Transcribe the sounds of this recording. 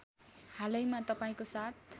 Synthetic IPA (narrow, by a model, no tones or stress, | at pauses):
halʌjmat̪ʌpaĩkosat̪̚ʰ